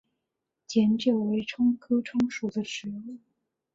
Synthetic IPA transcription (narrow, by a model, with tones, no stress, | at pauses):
t͡ɕjɛ˧˥nt͡ɕjo˨˩ʊwe˧˥ɪʈ͡ʂʰʊ˥ŋkʰɤ˥ʈ͡ʂʰʊ˥ŋʂu˨˩d̪ə˦ʈ͡ʂɻ̩˧˥u˥˩